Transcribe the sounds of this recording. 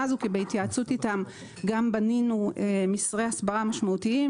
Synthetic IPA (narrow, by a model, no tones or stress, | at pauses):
azukibeit̪jat͡sutitam | ɡambaninuemisʁehasbaʁamaʃmautii